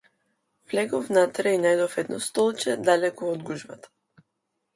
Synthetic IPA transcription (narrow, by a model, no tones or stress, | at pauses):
vlɛɡofnat̪ɾɛinajd̪ofɛd̪nʔɔst̪ɔlˠt͡ʃɛd̪alɛkɔːd̪ɡuʒbat̪ḁ